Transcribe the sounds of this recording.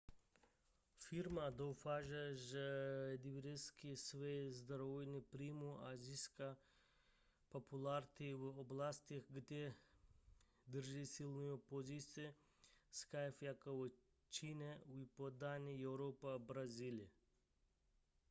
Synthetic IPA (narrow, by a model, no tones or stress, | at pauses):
fiɾmad̪owfaʒɛʒəd̪iʋiɾɛskisʋejzd̪ɾovojnipɾimuaziska | popʰulaɾt̪iʋəoblast̪ixɡd̪ʲe | d̪əɾʒisilnɔjopozisʲe | skajfjakoʋə | t͡ʃinɛuipod̪anʲiɛwɾopabɾazil